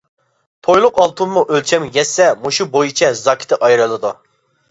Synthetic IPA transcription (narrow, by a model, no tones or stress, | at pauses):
t̪ʰojlˠʊqɑlˠt̪ʰummuʔølt͡ʃʰɛmjɛsːɛmuʃubojut͡ʃʰɛzɑkʲʰɪ̥t̪ʰɪʔɑjɾɨlˠɨd̪u